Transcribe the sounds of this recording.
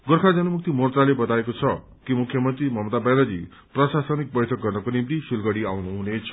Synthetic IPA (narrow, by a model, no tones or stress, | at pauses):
ɡʌrkʰad͡zʌnʌmuk̚t̪imort̪ralebʌt̪aekot͡sʰʌ | kimukʰjʌmʌnt̪rimʌmot̪abaɾʌd͡zḭ | prʌsasʌnik̚bʌjʈʰʌk̚ɡʌrnʌkonimt̪isilɡʌɽiawnuɦunet͡sʰʌ̥